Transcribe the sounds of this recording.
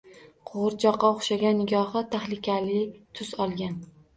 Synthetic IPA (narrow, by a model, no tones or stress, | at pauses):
qʰoʁɾt͡ʃʰɒqːɑoχʃaɡʲanːɪɡʲɒhɨt̪ʰaχlɪkʲalɪt̪ʰʊsɒlˠɡʲan